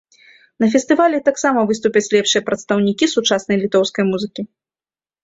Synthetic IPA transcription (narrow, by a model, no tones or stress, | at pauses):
nɐf̬ʲɛst̪ɨvalʲɛt̪aksamɐvɨst̪upʲɐt͡sʲlʲɛpʂɨjɐpɾɐt̪st̪ɐwnʲikʲisut͡ʂasnɐjlʲit̪ɔwskɐjmuzɨkʲi